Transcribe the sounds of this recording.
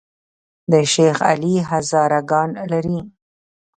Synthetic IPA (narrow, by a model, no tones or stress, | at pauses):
d̪əʃexa̰liɦazɑɾaɡɑnlaɾi